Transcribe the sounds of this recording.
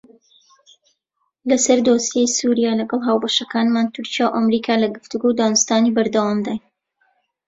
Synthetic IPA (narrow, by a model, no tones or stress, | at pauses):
lɐsɐɾd̪oːsjejsuɾijaːlɐɡɑlˠɦaːwbɐʃɐkaːnmaːnt̪ʊɾt͡ʃijawʔɐmɾiːkʰaːlɐɡɨft̪uɡod̪aːnʊst̪aːnibɐɾd̪ɐwamd̪aj